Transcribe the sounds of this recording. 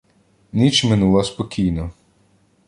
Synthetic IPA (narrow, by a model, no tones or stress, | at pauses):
nit͡ʃmɪnulˠɐspɔkʲijnɔ